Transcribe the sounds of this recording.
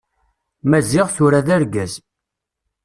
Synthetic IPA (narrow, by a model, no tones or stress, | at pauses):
mæzɪʁθʊɾaðæɾɡæz